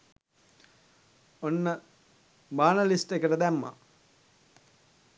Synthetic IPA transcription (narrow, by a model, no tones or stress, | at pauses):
onːə | baːnəlisʈekəʈəd̪æmːa̰